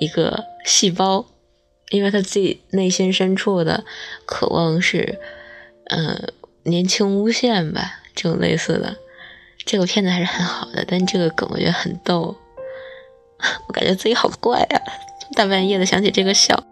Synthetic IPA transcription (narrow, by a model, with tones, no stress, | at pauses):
i˧˥ɡə̰˧ɕi˥˩pɑ˥ʊ | i˥nwe˥˩ɪt̪ʰa˥t͡se˥˩ne˥˩ɪɕi˥nʂə˥nʈ͡ʂʰu˥˩d̪ə̰˩kʰɤ̰˨˩wʔɑ̰˥˧ŋʂɻ̩˥˩ | ə̰˧ | njɛ˧˥nt͡ɕʰi˥ŋu˥ɕjɛ˥˩nbɐ̰˨˩ʈ͡ʂɤ˥˩ʈ͡ʂʊ˨˩ŋlʔḛ˥˧ɪsɹ̩̰˥˩d̪ə̰˩ | ʈ͡ʂɤ˥˩ɡə˩pʰjɛ˥˩nd͡zə˩xɻ̩˥˩xə˧˥nxɑ˨˩ʊd̪ə̰˦t̪a˥˧nʂ̩˧ʈ͡ʂɤ˥˩ɡə˩kə˨˩ŋw̰t͡ɕɥɛ˧˥xə˨˩nt̪o˥˩ʊ | wɔ˧˥ka˨˩nt͡ɕɥɛ˧˥t͡sɹ̩˥˩i˥xɑ˨˩ʊd̪ə˦kwa˥˩ɪɐ̰˩o˥˧t̪a˥˧pjɛ˥˩d̪ə˩ɕjɑ˧˥ŋt͡ɕʰi˨˩ʈ͡ʂɤ˥˩ɡə˧ɕjɑ̰˥˩˦ʊ